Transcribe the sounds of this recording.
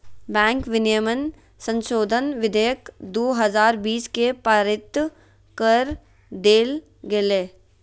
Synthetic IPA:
bɛ̃ːŋkʋɪnijəmən | sə̃nʃoːd̪ʱənʋɪd̪ʱəjəkd̪oːɦɐzaːɾbiːskepəɾɪt̪ | kəɾ | d̪eːl | ɡeleː

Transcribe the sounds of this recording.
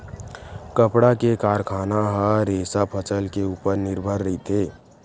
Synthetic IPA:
kəpɽakekaːɾkʰaːnaɦə̃ɾeːsapʰət͡ʃəlkeuːpəɾnɪɾbʱəɾːəɦit̪ʰeː

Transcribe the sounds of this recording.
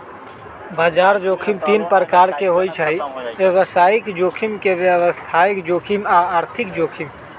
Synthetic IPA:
baːd͡ʒaːɾd͡ʒoːkʰimt̪iːnpəɾəkaːɾkeɦoːit͡ʃʰaiʋeʋəsaːɪkd͡ʒoːkʰimkeʋjəʋəst̪ʰaːɪkd͡ʒoːkʰimaaːɾt̪ʰɪkd͡ʒoːkʰim

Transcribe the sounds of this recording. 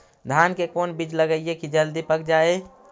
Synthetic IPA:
d̪ʱaːnkekoːnbid͡ʒləɡəɪekid͡ʒəld̪ipək̚d͡ʒaːe

